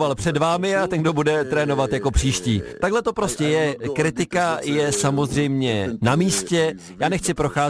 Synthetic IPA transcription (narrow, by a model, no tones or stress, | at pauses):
valpr̝̥ɛdvaːmɪat̪ɛnɡdo̞budɛt̪ɾɛːno̞vat̪jako̞pr̥iːʃciːt̪aɡɦlɛt̪opɾo̞scɛjɛkɾɪt̪ɪkajɛsamo̞zr̝ɛjmɲɛnamiːscɛ | jaːnɛxt͡sɪpɾo̞xaː